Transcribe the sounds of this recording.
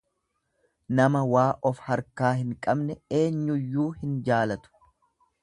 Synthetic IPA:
nɐmɐwaːʔɔfhɐɾkaːhɪŋkʼɐbnɛe̞ːɲːʊjːuːhɪnd͡ʒaːlɐt̪ʊ̥

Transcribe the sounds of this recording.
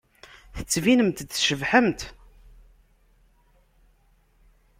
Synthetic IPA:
θə̥t͡sːvinəmt̪d̪θʃəvħəmt̪

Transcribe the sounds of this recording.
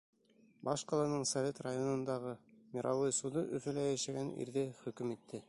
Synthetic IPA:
bɑʃqɑlˠɑnɤɴsɐvʲet̪rajonɤ̆nd̪ɑʁɤmiɾʔɑwɤjsud̪ɤʔɵ̆fɘ̆læjæʃæɡænḭɾðɘχɵ̆kɵmit̪ʰːɘ

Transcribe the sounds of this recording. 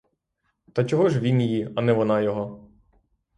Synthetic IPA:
t̪ɐt͡ʃɔɦɔʒʋʲinjiɐnɛʋɔnɑjɔɦɔ

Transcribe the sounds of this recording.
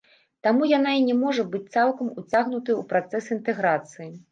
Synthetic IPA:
t̪amujanainʲɛmɔʐɐbɨt͡sʲt̪salˠkɐmut͡sʲaɣnut̪ɐjupɾat̪sɛsint̪ɛɣɾat̪sɨji

